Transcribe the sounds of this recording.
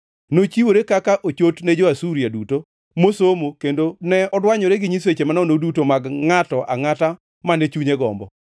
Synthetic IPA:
not͡ʃiwoɾekakaʔot͡ʃotnɛd͡ʒɔasuɾjaduto | mosomokendonɛɔdwaɲɔɾeɡɪɲiswet͡ʃemanɔnodutomaɡŋatɔʔa̰ŋata | manɛt͡ʃuɲeɡɔ̰mbɔ̰

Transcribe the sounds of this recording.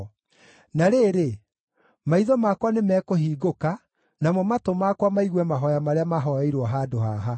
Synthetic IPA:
naɾeɾe | maiðɔmakwanemɛːkohiːɡoka | namɔmatomakwamaiɣwɛmaɦɔjamaɾeamaɦɔɛiɾwɔɦaːdoɦaɦa

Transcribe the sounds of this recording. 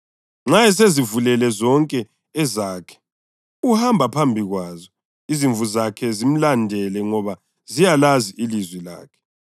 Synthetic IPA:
ŋ͡ǁajɛs̬ezivulɛlɛzɔŋkʼɛː | zaːkʰɛ̥ | uhambʱapʰambʱiɣwaːzɔ | iziɱvuzakʰɛzim̩landʱɛlɛŋɔβa | zijalaziʔilizwila̰ːkʰɛ̥

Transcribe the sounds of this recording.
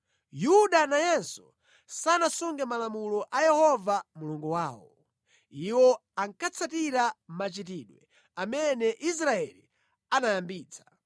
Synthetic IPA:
juɗanajɛnsɔ | sanasuŋɡɛmalamulɔʔajɛhɔvamuluŋɡuwaːwɔ̰ | iwɔaŋkʰat͡sʰatiɾamat͡ʃit̬iɗwɛ̰ | amɛnɛʔis̬ɾaɛli | anajambiːt͡sʰḁ

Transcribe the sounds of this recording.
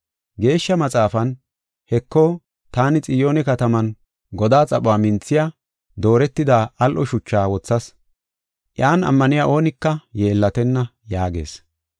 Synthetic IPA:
ɡe̞ːʃːɐmɐt͡sʼaːfɐn | hɛkːoː | t̪aːnɪt͡sʼɪjo̞ːnɛkɐt̪ɐmɐn | ɡɔd̪aːt͡sʼɐɓʊwaːmɪnt͡sːɪja | d̪o̞ːɾɛt̪ːɪd̪aːʔɐlʔɔʃʊt͡ʃːaːwɔt͡sːɐs | ʔjaːnɐ̰mːɐnɪjaːʔo̞ːnɪkːɐjeːlːɐt̪ɛnːɐ | jaːɡe̞̰ːs

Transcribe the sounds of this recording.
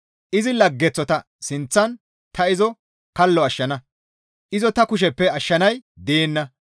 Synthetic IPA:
ʔɪzɪlɐɡːɛt͡sːɔt̪ɐ | sɪnt͡sːɐn | t̪ɐɪzɔ | kɐlːɔɐʃːɐnɐ | ʔɪzɔt̪ɐkʊʃ̬ɛpːɛɐʃːɐnɐjd̪eːnːɐ

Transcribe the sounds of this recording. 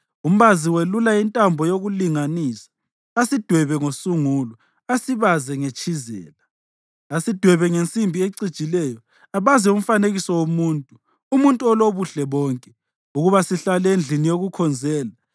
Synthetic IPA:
um̩βaziwelulaintʼambʱɔjoɣuliŋaniːsḁ | asid̥ʱwɛβɛŋosuŋulɔ | asiβazɛŋet͡ʃʼizɛ̰ːla | asid̥ʱwɛβɛŋent͡sʼimbʱieǀid̥t͡ʃʼilɛjɔ | aβazɛum̩faneɣisɔwomuːntʼuː | muntʼuɔloβuɬɛβɔːŋkʼɛ | uɣuβasiɬalɛend͡ɮʱinijoɣukʰɔnd͡zʱɛːla

